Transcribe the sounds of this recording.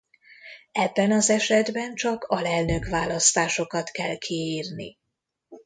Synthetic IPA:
ɛbːɛnɒzɛʃɛd̪bɛnt͡ʃɒkɒlɛlnø̞kvaːlɒst̪aːʃo̞kɒt̪kɛlkʰiiːrnḭ

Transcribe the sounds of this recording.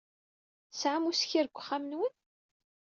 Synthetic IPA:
sʕamusçiɾɡʷːχamənwən

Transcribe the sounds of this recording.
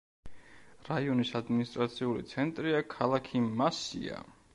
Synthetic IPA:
ɾaiɔnisad̪minist̪ʼɾat̪sʰiulḭt̪sʰɛnt̪ʼɾiakʰalˠakʰimasḭa̰

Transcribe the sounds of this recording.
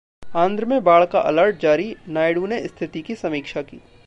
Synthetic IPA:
ãːnd̪ɾəmẽbaːɭkaʔɐləɾʈ̚d͡ʒaːɾinaːjɽũneɪst̪ʰɪt̪ikisɐmiːkʃakḭː

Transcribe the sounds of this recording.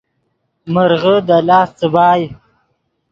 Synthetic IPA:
məɾɣəd̪əlɑːst͡səbɑːj

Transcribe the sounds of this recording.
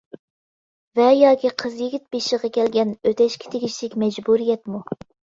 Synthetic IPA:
vɛjɑːkʲiqʰəzjiɡʲit̪̚beʃiʁɑkʲʰɛlɡʲɛnøt̪ʰɛʃkʲʰɪ̥t̪ʰeɡʲiʃlɪkʲmɛd͡ʒbuɾijɛt̪mu

